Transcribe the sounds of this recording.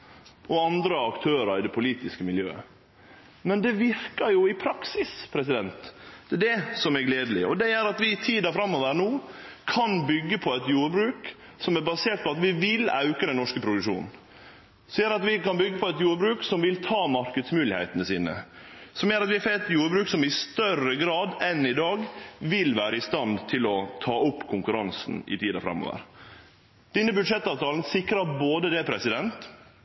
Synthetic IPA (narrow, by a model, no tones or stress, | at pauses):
ʔɔɑnd̪ɾəɑkt̪ʰøːɾəɾɪd̪ɛpʰʊliːt̪ɪskəmɪljø̰ːə̰ | mɛnd̪ɛʋɪɾkəɾjʊɪpʰɾɑksɪspʰɾɛs̬ɪd̪ɛnt̪d̪̥ɛd̪ɛsɔmæɾɡleːd̪lɪ̰ɔd̪ɛjæɾɑt̪ʋɪt̪ʰiːd̪ɑfɾɑmːɔʋæɾənuː | kʰɑnbʏɡːəpʰɔɛt̪juːɾəbɾʉːk | sɔmæɾbɑseːʈ̪̚pʰɔɑt̪ʋɪʋɪlɑ̰ʉkəd̪ɛnɔʂkəpʰɾʊd̪ʉʂṵːnn̩ | siːəɾɑt̪ʋɪkɑnbʏɡːəpʰɔɛt̪juːɾbɾʉːksɔmʋɪlt̪ʰɑːmɑɾkəd̪smʉːlɪhɛ̰ɪt̪ənəsiːnə̰ | sɔmjøːɾɑt̪ʋɪfɛt̪juːɾbɾʉːksɔmɪst̪œrəɡɾɑːd̪ɛnɪd̪ɑːɡʋɪlʋæːɾəɪst̪ɑnd̪t̪ʰɪlɔt̪ʰɑːʊpːkʰʊŋkʉɾɑnsn̩ɪ̰t̪ʰiːd̪ɑfɾɛ̰mːo̰ːʋə̰ɾ | d̪̥ɛnːəbʉd̪ʂɛt̪ːɑːʋt̪ʰɑːln̩sɪkɾɑboːd̪əd̪ɛpʰɾɛsɪd̪ɛnt̪